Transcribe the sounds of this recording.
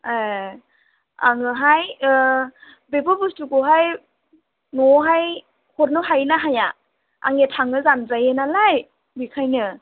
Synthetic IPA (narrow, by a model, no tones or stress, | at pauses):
a | a̰ŋɯɦaj | bebɯbustukoɦaj | nɔɦaj | hɔɾnɔɦajnaɦaja | a̰ŋetʰaŋɯzanzajenalaj | bikʰajnɯ